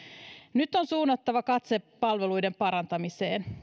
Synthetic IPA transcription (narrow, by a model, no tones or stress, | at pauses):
nyt̪ːonsuːnːɑt̪ːɑʋɑkɑt̪sepːɑlʋelujdempɑɾɑnt̪ɑmiseːn